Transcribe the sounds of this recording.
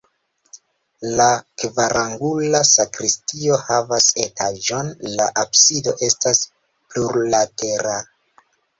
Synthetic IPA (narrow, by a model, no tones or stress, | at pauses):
lakvaɾʔaŋɡulasakɾistio̞havase̞taʒo̞nlaʔabsido̞̰ʔe̞stas | pluɾlate̞ɾa